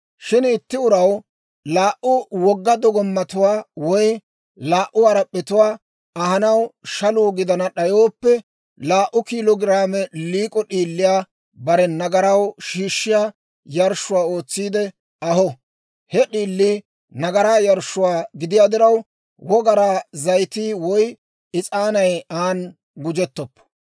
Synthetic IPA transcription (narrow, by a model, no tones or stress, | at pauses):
ʃɪnɪt̪ːɪʊɾɐw | laːʔʊwɔɡːɐd̪ɔɡɔmːɐt̪ʊwaːwɔj | laːʔʊɐɾɐpʼːɛt̪ʊwaː | ɐɦɐnɐwʃɐluːɡɪd̪ɐnɐɗɐjo̞ːpːɛ | laːʔʊkiːlɔɡɪɾaːmɛliːkʼɔɗiːlːɪjaː | bɐɾɛnɐɡɐɾɐwʃiːʃːɪjaː | jɐɾʃːʊwaːo̞ːt͡sːiːd̪ɛ | ɐɦɔ | hɛɗiːlːiː | nɐɡɐɾaːjɐɾʃʊwaːɡɪd̪ɪjaːd̪ɪɾɐw | wɔɡɐɾaːzɐjt̪iːwɔj | ɪt͡sʼaːnɐjaːn | ɡʊd͡ʒɛt̪ːɔpːɔ̥